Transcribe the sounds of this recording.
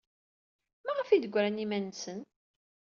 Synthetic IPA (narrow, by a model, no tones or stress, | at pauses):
mæʁəfiðəɡʷːɾænimænsən